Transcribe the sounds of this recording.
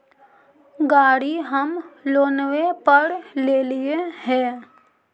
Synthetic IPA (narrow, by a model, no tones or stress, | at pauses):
ɡaːɽiɦəmloːnwepəɾleːliehɛ̃ː